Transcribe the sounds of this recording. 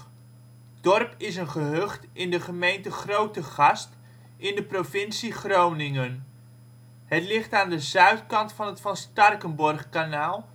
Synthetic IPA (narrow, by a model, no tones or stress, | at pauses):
d̥ɔrpɪs̬ənχəɦɵχtɪndəχəmejntəχrowtəχɑst | ɪndəprovɪnsiχrownɪŋən | ɦətlɪχtaːndəzœɥtkɑntfɑnɦətfɑnstɑrkənbɔrχkanaːlˠ